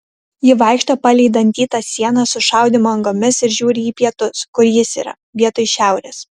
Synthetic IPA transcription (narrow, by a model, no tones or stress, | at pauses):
jɪʋɑˑɪkʃt̪opɑlʲɛɪd̪ɐnʲt̪ʲiːt̪ɑsʲiɛnɑsʊʃɑˑʊd̪ʲɪmoɐŋɡoːmʲɪsɪɾʒʲuːɾʲɪiːpʲiɛt̪ʊskʊɾjɪsḭːɾɐ̰ | ʋʲiɛt̪oɪʃʲæˑʊɾʲeːs